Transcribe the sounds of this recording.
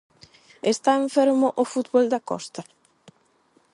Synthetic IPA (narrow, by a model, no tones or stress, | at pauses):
est̪aeɱfeɾmʊʔʊfut̪βold̪akɔ̰st̪a